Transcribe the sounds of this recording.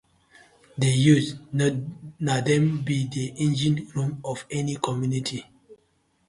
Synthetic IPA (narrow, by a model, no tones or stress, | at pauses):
dejus | nadɛ̃mbidiʔĩnd͡ʒĩnɹũmɔvɛnikʰɔmjunitʰi